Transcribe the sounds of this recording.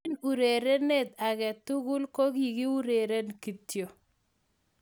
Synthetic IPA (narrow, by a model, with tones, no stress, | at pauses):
nu˨ɾe˨ɾe˦ne˦t̪a˨kɛ˨t̪u˦ɣu˦lko˦ki˨ki˦u˦ɾe˨ɾe˦nki˨tjo˨